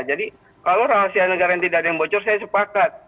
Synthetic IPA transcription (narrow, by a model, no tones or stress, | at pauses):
d͡ʒadi | kalowɾaɦasianəɡaɾajaŋt̪idaadjaŋbot͡ʃɔrsajasəpakat̪̚